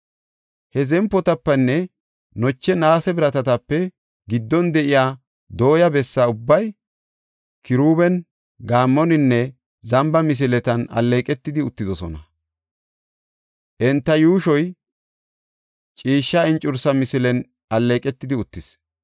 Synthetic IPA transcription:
hɛzɛmpːɔt̪ɐpːɛnːɛ | nɔt͡ʃːɛnaːsɛbɪɾɐt̪ɐt̪ɐpːɛ | ɡɪd̪ːɔnd̪ɛʔɪjaː | d̪o̞ːjɐbɛsːaʊbːɐj | kɪɾuːbɛn | ɡaːmːɔnɪnːɛ | zɐmbɐmɪs̬ɪlɛt̪ɐnɐ̰lːeːkʼɛt̪ːɪd̪ɪʊt̪ːɪd̪ɔsɔ̰nɐ | ʔɛnt̪ːɐjuːʃɔj | t͡ʃʼiːʃːɐɪnt͡ʃʼʊɾsɐmɪsɪlɛn | ɐlːeːkʼɛt̪ːɪd̪ɪʊt̪ːɪs

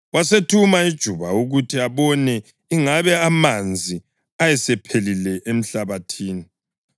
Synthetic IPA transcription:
wasetʰumaid̥ʒ̥ʱuβauɣutʰiaβɔnɛ | iŋaβɛamand͡zʱi | ajɛsɛpʰelilɛʔem̩ɬaβatʰiːni

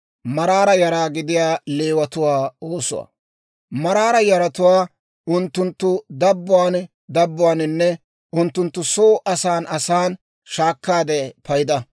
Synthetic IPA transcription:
mɐɾaːɾɐjɐɾaːɡɪd̪ɪjaːle̞ːwɐt̪ʊwaːoːsʊ̰wa̰ː | mɐɾaːɾɐjɐɾɐt̪ʊwaː | ʔʊnt̪ːʊnt̪ːʊd̪ɐbːʊwaːn | d̪ɐbːʊwaːnɪnːɛ | ʔʊnt̪ːʊnt̪ːʊsoːʔɐsaːnɐsaːn | ʃaːkːaːd̪ɛpɐjɪd̪ɐ

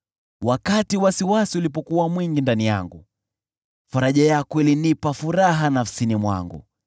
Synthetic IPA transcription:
wakatiwasiwasiulipɔkuwamwiŋɡindanija̰ŋɡṵ | faɾaʄajakɔwilinipafuɾaɦanafsinimwa̰ŋɡṵ

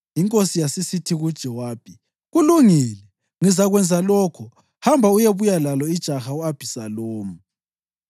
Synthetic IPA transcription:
jiŋkʼosijasisitʰiɣud̥ʒ̥ʱɛwaːpʰi | ɣuluŋiːlɛ | ŋizaɣwɛnd͡zʱalɔːkʰɔ | hambʱaujeβujalalɔid̥ʒ̥ʱaxauab̥ʱisaloːmu

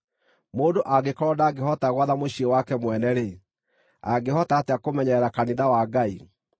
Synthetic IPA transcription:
moːdoʔaɡekɔɾɔdaːɡeɦɔtaɣwaðamoɕiewakɛmwɛnɛɾe | a̰ɡehɔtateakomɛɲɛɛɾakaniðawaɡai

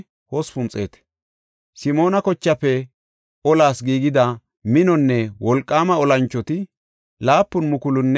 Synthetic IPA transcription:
hɔspʊnt͡sʼe̞ːt̪ɛ̥ | sɪmo̞ːnɐkɔt͡ʃːɐpːɛ | ɔlaːsɡiːɡɪd̪ɐ | mɪnɔnːɛwɔlkʼːaːmɐɔlɐnt͡ʃːɔt̪ɪ | laːpːʊnmʊkʊlʊnːɛ

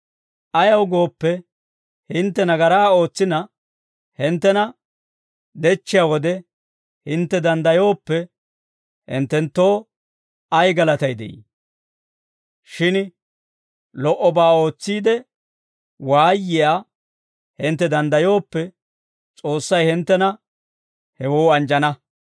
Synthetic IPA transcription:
ʔɐjɐwɡo̞ːpːɛ | hɪnt̪ːɛnɐɡɐɾaːo̞ːt͡sːɪnɐ | hɪnt̪ːɛnɐ | d̪ɛt͡ʃːɪjawɔd̪ɛ | hɪnt̪ːɛd̪ɐnd̪ɐjo̞ːpːɛ | hɪ̰nt̪ːɛnt̪ːo̞ː | ɐjɡɐlɐt̪ɐjd̪ɛ̰ʔḭ | ʃɪn | lɔʔɔbaːo̞ːt͡sːiːd̪ɛ | waːjːɪja | hɪnt̪ːɛd̪ɐnd̪ɐjo̞ːpːɛ | t͡sʼo̞ːsːɐjhɪnt̪ːɛnɐ | hɛwoːɐnd͡ʒɐnɐ

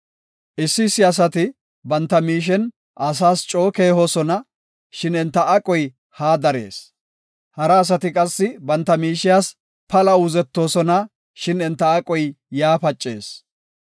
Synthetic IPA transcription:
ʔɪsːɪːsːɪɐs̬ɐt̪ɪ | bɐnt̪ːɐmiːʃ̬ɛn | ʔɐs̬aːst͡ʃʼo̞ːke̞ːhoːsɔnɐ | ʃɪnɛnt̪ːɐʔɐkʼɔj | haːd̪ɐɾḛːs | hɐɾɐːs̬ɐt̪ɪkʼɐsːɪbɐnt̪ːɐmiːʃɪjaːs | pɐlɐʊzɛt̪ːo̞ːsɔnɐ | ʃɪnɛnt̪ːɐːkʼɔj | jaːpɐt͡ʃʼːe̞ːs

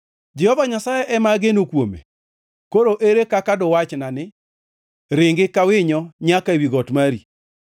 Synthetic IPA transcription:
d͡ʒɛhɔvaɲasajɛʔɛmaɡenokwomḛ | koɾoʔeɾekakadɔwat͡ʃnanɪ | ɾɪŋɡɪkawɪɲɔɲakaewiɡɔtmaɾḭ

